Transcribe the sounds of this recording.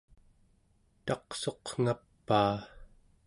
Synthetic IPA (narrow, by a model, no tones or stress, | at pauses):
t̪ɑqso̞qŋ̥apːaː